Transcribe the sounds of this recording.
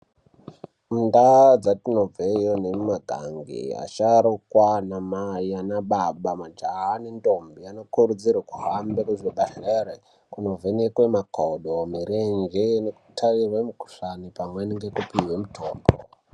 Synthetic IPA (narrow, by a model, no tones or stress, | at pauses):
mundad͡zatino̞b͡vejonemaɡʱa̰ŋɡḭa̰t͡ʃaɾukwanamaianaɓaɓamad͡ʒaanindombiano̞kurud͡zirwakuɦambekuʐiɓaɬere | kuno̞vʱenekwe̞makʰoɗomiɾend͡ʒeneku̥tʰarirwemuku̥ʂanipamweniŋɡe̞kupiwe̞mutʰoːmbo̰